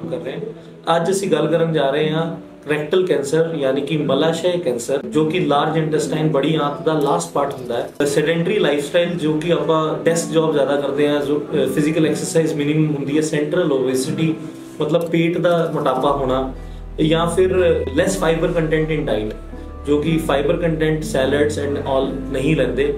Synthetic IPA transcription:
kəɾːeɛ̃ː | əd͡ʒəsĩːɡəlkəɾənd͡ʒaːɾəẽːãː | kəɾɛk̚ʈəlkɛ̃ːnsəɾjaːniːkɪməlaːʃaːkɛ̃ːnsəɾd͡ʒoːkɪlaːɾd͡ʒɪ̃ɳʈəsʈaːɪnbəɽiːãːt̪ʰd̪aːlaːsʈpaːɾʈɦʊnd̪aːɛːsɛːɖɛ̃ɳʈəɾiːlaːɪfʰsʈaːɪld͡ʒoːkɪaːpãːʈɛsk̚d͡ʒaːbzjaːd̪aːkəɾd̪eːɦãːoːpʰɪzɪkəlɛksəɾsaːizmɪnɪməmɦʊ̃nd̪iːɛːsɛ̃ːɳʈɾəloːʋeːsɪʈiː | mət̪ləb̚peːʈd̪aːmʊʈaːpaːɦoːɽ̃aː | jãːpʰɪɾlɛːspʰaːɪbəɾkəɳʈɛ̃ɳʈɪ̃ɳɖaːɪn | d͡ʒoːkɪpʰaːɪbəɾkəɳʈɛ̃ːɳʈsɛːləɾɖsɛ̃ːɳɖɔːlnəɦĩːlɛ̃ːnd̪eː

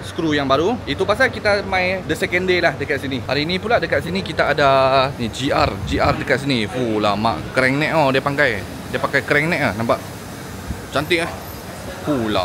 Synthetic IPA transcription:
sə̥kɾujaŋbaɾuit̪upas̬alkit̪amãjdəsɛkɛndelahdəkat̪̚siniha̰ɾinĩpuladəkat̪sinikit̪aːdanid͡ʒiard͡ʒiʔardəkat̪̚s̬inifula̰ma̰ʔkəɾɛŋnɛʔ̚odiapaŋkaj | diapaŋkajkəɾɛŋnɛ̃ʔahnãmpaʔ | t͡ʃant̪ɪʔah | fula̰

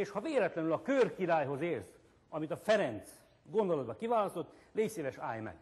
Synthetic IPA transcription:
eːʃhɒveːlɛt̪lɛnylɒkørkiɾaːjɦo̞zeːrz | ɒmit̪ɒfɛɾɛnt̪s | ɡo̞nd̪olɒd̪̚bɒkivaːlɒst̪o̞t̪ːleːseːvɛʃa̰ːjmɛ̰

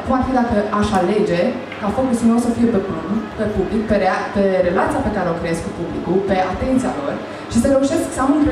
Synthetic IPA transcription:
kumarfid̪at̪əʔaʃale̞d͡ʒe̞ | kafo̞kusulnosəfije̞pepupepublikpeɾepe̞ɾe̞lat̪sijape̞kaɾe̞o̞kɾe̞jeskupublikupe̞at̪e̞nt̪sijalo̞r | ʃisəɾe̞uʃe̞sksəaunp

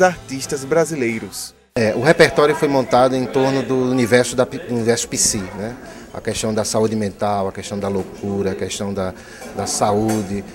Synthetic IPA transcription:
aɾt̪iʃt̪ɐzbɾazilejɾʊs | ɛʔʊhepeɾt̪ɔɾjʊfojmõnt̪ad̪ʊẽt̪oɾnʊd̪ʊːnivɛɾsʊd̪ɐunivɛɾsʊ̥pisinɛ | ɐ̰kɛʃt̪ɐ̃w̃d̪ɐsaud̪ɪmẽnt̪awɐkɛʃt̪ɐ̃w̃d̪ɐlokuɾɐːkɛʃt̪ɐ̃w̃d̪ɐ | d̪ɐsaud͡ʒ̪ɪ

